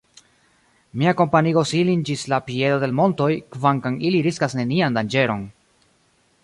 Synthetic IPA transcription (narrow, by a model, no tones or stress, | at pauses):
miako̞mpanio̞silind͡ʒislapie̞do̞de̞lmo̞nto̞jkvaŋkaŋiliɾiskasne̞niandand͡ʒe̞ɾo̞̰n